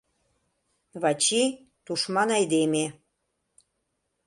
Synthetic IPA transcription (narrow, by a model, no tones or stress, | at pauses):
βɑt͡ɕi | t̪uʃmɑnɑjd̪eme